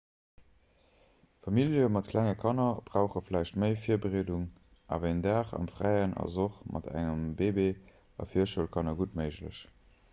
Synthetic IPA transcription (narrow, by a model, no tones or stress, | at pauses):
fɑmiljəmɑt̚kʰlæŋəkʰɑnɐb̥ʁaʊχəflæɪʃtməɪfiːɐbəʁeːduŋ | ʔa̰veɪndaːχɑ̰mfʁæɪənɑ̰zoχmʔɑ̰dæ̰ŋəmbeːbe | ɑ̰fiːɐʃuəlkʰɑnɐɡutməɪʒlə̰ɕ